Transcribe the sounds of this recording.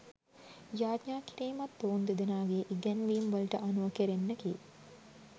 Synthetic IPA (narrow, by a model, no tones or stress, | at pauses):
jaːd̪ɲaːkiɾiːmɐt̪ːoːnd̪ed̪enaːɡeːʔiɡɛnʋiːmʋɐlʈəʔɐnuʋɐkeɾenːəkiː